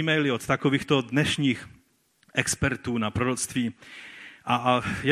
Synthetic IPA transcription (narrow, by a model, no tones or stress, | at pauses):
imɛjlɪot̪t̪akoviːxt̪odnɛʃɲiːx | ʔɛkspɛɾt̪uːnapɾoɾot͡st̪viː | ʔaj